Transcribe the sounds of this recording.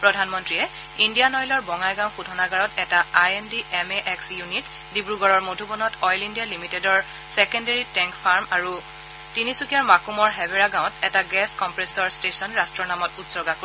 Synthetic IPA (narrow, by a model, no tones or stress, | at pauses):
pɹɔdʱanmɔntɹiɛ | indijanɔjlɔɹbɔŋajɡãʊ̃xudʱɔnaɡaɹɔtɛtaajɛndiʔɛmeʔɛksjunit | dibɹuɡɔɹɔɹmodʱubɔnɔtɔjlindijalimitedɔɹ | sɛkɔndeɹitɛŋkpʰaɹmaɹu | tinisukiaɹmakumɔɹɦɛbeɹaɡãʊ̃tɛtaɡɛskɔmpɹesɔɹstesɔnɹastɹɔnamɔtutsɔɡako